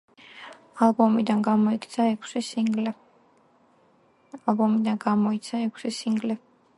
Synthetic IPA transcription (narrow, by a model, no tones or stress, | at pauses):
alˠbɔmid̪anɡamɔikʰʼt̪sʰaɛkʰsil | alˠbɔmid̪anɡamɔit̪sʰaɛkʰsisiŋɡlɛ